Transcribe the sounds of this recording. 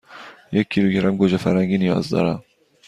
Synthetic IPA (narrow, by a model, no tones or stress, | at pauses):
jɛkʰːiɾuɡʲɛɾamɡoʒɛfæɾhæŋɡinijɒ̰ːzd̪ɒ̰ːɾam